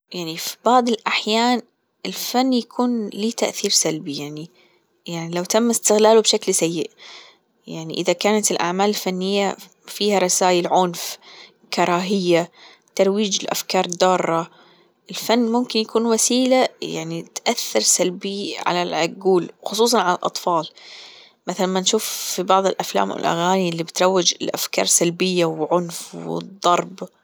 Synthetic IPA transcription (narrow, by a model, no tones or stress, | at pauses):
jaʕnifi̥bɑʕd̪ˤɪlʔaħjaːn | ɪlfanːjakʰuːnliːt̪aʔθiːɾsalbijaʕni | jaʕnilawt̪amːɪst̪ɪɣlaːlubʃaklsajːɪʔ | jaʕniʔɪðakaːnat̪ɪlʔa̰ʕmaːlɪlfanːɪjːa | fiːhaɾˤɑsaːjɪlʕʊnf | kɑɾˤɑːɦɪjːa | t̪ɑɾˤwiːd͡ʒɪlʔa̰fkɑːɾˤd̪ɑːrˤːɑ | ʔɪlfanːmʊmkɪnjakuːnwasiːlaja̰ʕnit̪ʔaθːɑɾˤsalbiʕa̰lalʕaɡuːlwxʊsˤuːs̬ˤɑnʕala̰lʔɑ̰t̪ˤfɑːl | maθalamːanʃuːfːibɑʕðˤɪlʔafla̰ːmwɪ̰lʔa̰ɣaːnilːibɪt̪ɾˤɑwːɪd͡ʒɪ̰lʔafkɑ̰ːɾˤsalbɪjːawʕʊnfwɪ̰d̪ˤːɑɾˤb